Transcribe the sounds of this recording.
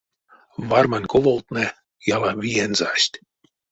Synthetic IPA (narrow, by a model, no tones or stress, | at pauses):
vɑrmɑnʲkovolˠt̪ne | jɑlˠɑβʲijenzɑɕʲt̪ʲ